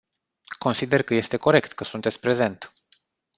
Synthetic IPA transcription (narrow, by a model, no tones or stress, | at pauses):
ko̞nsid̪e̞rkəje̞st̪e̞ko̞ɾe̞kt̪kəsunt̪et̪sʲpɾe̞ze̞nt̪